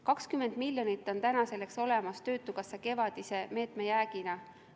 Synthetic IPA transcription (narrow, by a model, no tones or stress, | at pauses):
kɑkskymːe̞nd̪milʲːjo̞nit̪ːˑo̞nt̪ænɑse̞lekso̞le̞mɑst̪ø̞ːt̪ːˑuɡ̥ɑsːeke̞vɑd̪̥ise̞me̞ːt̪me̞jæːɡ̥inɑ